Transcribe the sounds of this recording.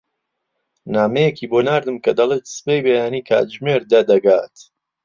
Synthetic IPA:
naːmejekiːboːnaːɾd̪ɨmkɐd̪ɐlˠeːt̪sɨ̥pejbejaːniːkʰa̰ːt̪ʒmeːɾd̪ɐd̪ɐɡaːt̪

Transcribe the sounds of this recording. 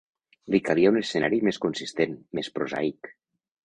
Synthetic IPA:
likaliaunesenaɾimeskunsist̪enmespɾoza̰ik

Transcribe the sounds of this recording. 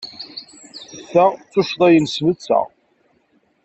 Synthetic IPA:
θəʁt͡sːʊʃðˤæjənsvət͡sːə̰ʁ

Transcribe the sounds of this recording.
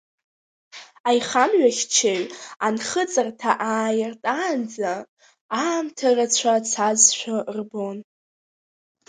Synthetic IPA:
ajχamɥaχʲt͡ʃʰeɥanχət͡sʼartʰaʔaːjɪrtʼand͡za | aːmtʰarat͡sʷʰat͡sʰazʃʷᶣarbon

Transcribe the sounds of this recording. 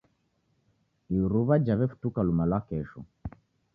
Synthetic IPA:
iuɾuβad͡ʒaβɛfu̥tukalumalwakɛʃɔ̰

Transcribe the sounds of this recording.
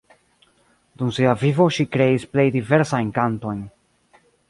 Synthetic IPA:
d̪ũnseavivoʃikɾejisplejd̪iveɾsaẽŋkant̪õŋ

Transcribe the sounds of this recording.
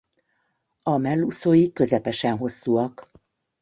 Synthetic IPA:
ɒmɛlːusoːjikːø̞zɛpɛʃɛnɦo̞sːuːɒk

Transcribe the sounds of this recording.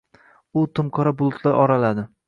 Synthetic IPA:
ʊt̪ʰʊmqʰɒɾabʊlˠʊt̪ʰlaɾʔɒɾalad̪ɪ

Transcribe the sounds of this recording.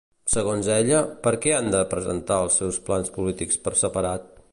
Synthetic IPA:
səɣonzɛʎəpəɾkɛand̪əpɾəzə̰nt̪aəlˠsːɛwsplanspulit̪ikspəɾsəpəɾat̪̚

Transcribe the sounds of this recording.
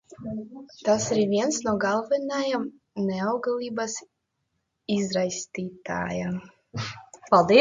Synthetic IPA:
t̪asɾvʲiɛnsnuɡalˠvɛnajam | nɛawɡlˠʲiːbas | izɾajsʲt̪ʲiːt̪a̰ːja | palˠd̪i

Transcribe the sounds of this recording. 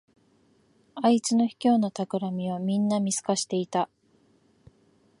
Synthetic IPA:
ait͡sɨno̞çi̥kʲo̞ːnot̪akɯ̟ɾamʲiβamʲĩnːamʲisɨ̥kaɕi̥t̪e̞it̪a

